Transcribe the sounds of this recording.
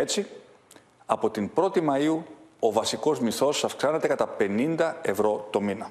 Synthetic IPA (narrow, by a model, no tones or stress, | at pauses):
et͡si | ɐpo̞t̪imbɾo̞t̪imɐiuo̞vɐsiko̞zmiθo̞sɐfksɐne̞t̪e̞kɐt̪ɐpe̞nind̪ɐe̞vɾo̞t̪o̞minɐ